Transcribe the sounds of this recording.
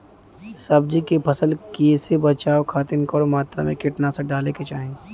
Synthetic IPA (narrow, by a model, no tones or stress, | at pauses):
sɐbd͡ʒikepʰɐsəlkiesebɐt͡ʃaːokʰaːt̪ɪnkɔːɾmaːt̪ɾa̰mẽkɪʈnaseɖaːleket͡ʃaːɦẽ